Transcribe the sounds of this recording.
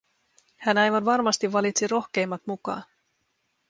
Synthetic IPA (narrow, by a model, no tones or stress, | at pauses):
hænɑjʋɑnʋɑrmɑst̪iʋːɑlit̪siɾo̞xk̟e̞jmːɑt̪mukɑ̰ːn